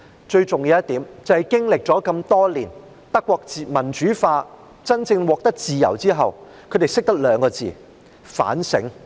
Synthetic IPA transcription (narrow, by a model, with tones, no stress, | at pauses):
t͡ʃɵ˧ɥt͡sʊ˨ŋjiː˨˧wjɐ˥t̪iː˨˥mt͡sɐ˨whɐ˨jkɪ˥ŋlɪ˨k̚t͡ʃɔː˨˥kɐ˧mt̪ɔː˥liː˨˩n | t̪ɐ˥kʷːwɔː˧k̚ːmɐ˨˩nt͡ʃyː˨˥faː˧ | t͡sɐ˥nt͡sɪ˧ŋwɔː˨k̚t̪ɐ˥k̚t͡siː˨jɐ̰˨˩wt͡siː˥ɦɐ˨w | kʰɵ˨˧ɥt̪e˨jsɪ˥k̚t̪ɐ˥k̚lœː˨˧˥ŋkɔː˧t͡sḭː˨ | fa̰ː˨˥nsɪ̰˨˥ŋ